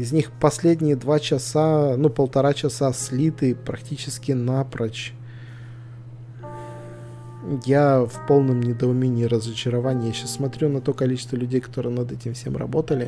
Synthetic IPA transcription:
ɪzʲnʲixpɐsʲlʲedʲnʲɪjəd̪vat͡ɕɪsanupəlˠt̪ɐɾat͡ɕɪsasʲlʲit̪ɨpɾɐk̚tʲit͡ɕɪskʲɪnapɾɐt͡ɕ | jafpo̞lˠnəmnʲɪd̪əʊmʲenʲɪːɾəzət͡ɕɪɾɐvanʲɪjaɕːasːmɐt̪ɾʲunɐt̪o̞kɐlʲit͡ɕɪst̪vəlʲʉdʲejkɐ̥t̪o̞ɾɨjənɐd̪ɛtʲɪmfsʲemrɐ̰bo̞t̪əlʲɪ

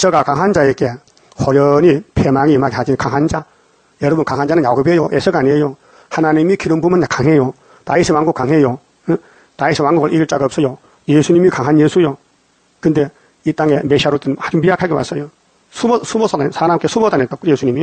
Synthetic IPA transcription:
t͡ɕʌɡakaŋɦand͡ʑajeɡe | hoɾjʌnipʰemaŋiɯmaɡehad͡ʑinkaŋɦand͡ʑa | jʌɾʌbunkaŋɦand͡ʑanɯnaɡubejoʔesʰʌɡaɲiejo | hanaɲimikiɾɯmbumɯnakaŋɦejo | taisʰiwanɡuk͈ːaŋɦejo | taisʰiwaŋɡuɡɯɭʔiɡɯɭt͡ɕ͈aɡaːp̚s͈ʌjo | jesʰuɲimikaŋɦanjesʰujo | kɯnde̞ | it͈aŋe̞meɕʰiaɾot͈ɯnad͡ʑumpiakʰaɡewa̰s͈ʌjo | sʰumsʰumosʰasʰaɾamk͈e̞sʰumodanet͈ojesʰuɲimi

